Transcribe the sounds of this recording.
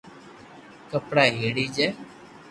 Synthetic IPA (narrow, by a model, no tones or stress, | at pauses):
kəpɽaːɦiːɽiːd͡ʒɛː